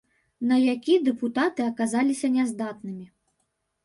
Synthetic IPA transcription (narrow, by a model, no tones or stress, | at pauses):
nɐjakʲid̪ɛput̪at̪ɨɐkazalʲisʲɐnʲɛzd̪at̪nɨmʲi